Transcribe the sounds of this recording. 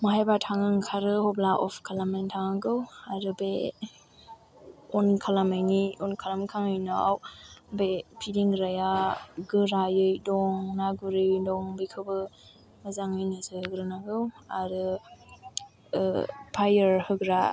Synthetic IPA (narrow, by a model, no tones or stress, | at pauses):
maɦajbatʰaŋɯŋkʰaɾɯhɔblaʔɔpkʰalamantʰaŋɯɡɯwaɾɯbe | ɔnkʰalamajniɔnkʰalamkʰaŋɯjnɯa̰wbepʰidiŋɾajaɡɯɾajɯjdɔŋnaɡuɾɯwdɔŋbɯjkʰɯbɯ | mazaŋɯjnɯzɯhɯɡɾɯnaɡɯwaɾɯ | pʰajəɾhɯɡɾa